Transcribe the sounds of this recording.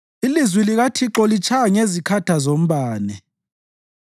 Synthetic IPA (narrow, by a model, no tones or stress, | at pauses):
ilizwiliɣatʰiǁɔlit͡ʃʰajaŋezikʰatʰazom̩ɓaːnɛ